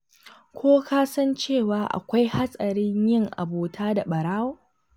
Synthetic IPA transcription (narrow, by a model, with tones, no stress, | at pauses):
kʷʰoː˦kaː˦sɐ˦nt͡ʃeː˦˨waː˨ʔa̰˨kʷa˦jha˦sʼɐ˨ɾɪ˦ɲjɪ˦˨ŋʔa̰˨boː˨tʰaː˦da˨ɓɐ˨ɽaː˦woː˦